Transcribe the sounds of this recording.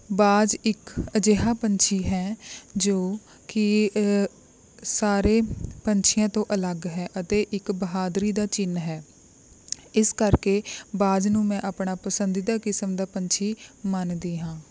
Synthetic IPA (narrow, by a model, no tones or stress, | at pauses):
baːd͡ʒɪkəd͡ʒeːɦaːpəɲt͡ʃʰiːɦɛːd͡ʒoː | kɪ | saːɾeːpəɲt͡ʃʰɪjãːt̪õːʔələɡɦɛːʔət̪eːʔɪkbəɦaːd̪ɾiːd̪aːt͡ʃɪnɦɛː | ɪskəɾkeːbaːd͡ʒnũːmɛ̃ːʔaːpɳaːpəsənd̪iːd̪aːkɪsəmd̪aːpəɲt͡ʃʰiːmənd̪iːɦãː